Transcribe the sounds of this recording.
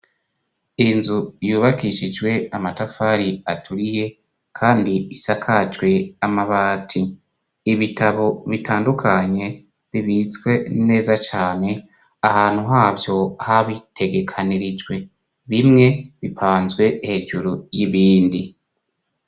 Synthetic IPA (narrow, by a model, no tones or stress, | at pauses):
inzujuːβakiʃid͡ʒwe̞amatafaːɾiatʰuɾije̞ | kʰaːndiisakʰat͡ʃwe̞amaβaːtʰiː | βitʰaβo̞βitʰaːndukʰaɲe̞ | βiβit͡swe̞ne̞ːzat͡ʃaːne̞ | ahaːn̥huɦaːvjo̞haβitʰe̞ɡe̞kʰaniɾid͡ʒwe̞ | βimŋe̞βipʰaːnzɡwe̞he̞ːd͡ʒuɾujiβiːndi